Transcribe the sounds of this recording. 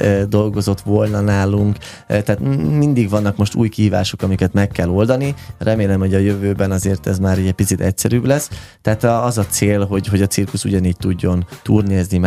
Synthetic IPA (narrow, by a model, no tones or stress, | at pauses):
d̪o̞lɡo̞zo̞t̪ʋo̞lnɒnaːluŋk | t̪ɛaːt̪mind̪iɡʋɒnːɒkmo̞ʃt̪ṵːjkiɦiːvaːʃo̞kɒmikɛt̪mɛkːɛlo̞ld̪ɒnirʔɛmeːlɛmho̞ɟɒjøvøːbɛnɒzeːrt̪ɛzmaːɾiɛpit̪sit̪ɛcsɛɾyːblɛst̪ɛaːt̪ɒzɒt̪seːlɦo̞ɟɦoɟɒt̪sirkuʃuɟɒniːɟ̚t̪uɟːo̞nt̪uːrneːznim